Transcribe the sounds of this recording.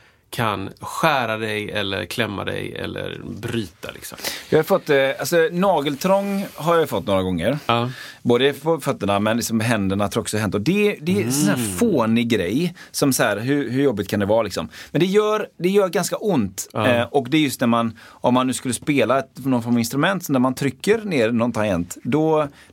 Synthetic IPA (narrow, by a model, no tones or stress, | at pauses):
kʰanɧæːɾad̪ɛjɛlːə̰ɾkʰlɛmːa̰d̪ɛ̰jɛ̰lːə̰ɾbɾyːt̪ʰa̰lɪ̰ksɔmjɑːhafɔt̪ːalsɔnɑːɡəlt̪ʰɾɔŋːɦaɾjajʉfɔt̪ːnoːɾaɡɔŋːəɾboːd̪əpʰɔfœt̪ːəɳamɛnlɪksɔmɦɛnd̪əɳat̪ʰɾɔksɔɦɛnt̪ːɔd̪ɛd̪ɛsɔnhæːɾfoːnɪɡɾɛjsɔmsahæːɾɦʉɾɦɵɾjɔbːɪt̪̚kʰand̪ɛvɑːlɪksɔ̰mmɛnd̪ɛjœːɾd̪ɛjœːɾɡanskaʔʊnt̪ɔkd̪ɛːɾjɵst̪næɾmanʔɔmːanːʉ̟ːskɵlːəspeːlaɛt̪nɔnfɔɾmavɪnst̪ɾɵmɛnt̪sɔd̪æɾmant̪ʰɾʏkːəɾneːɾnɔnt̪ʰajɛnt̪d̪ɔ